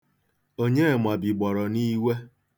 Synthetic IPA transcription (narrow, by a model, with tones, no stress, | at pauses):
o˦ɲe˦˨ma˨bi˨ɡ͡bɔ˨ɾɔ˨ni˦we˦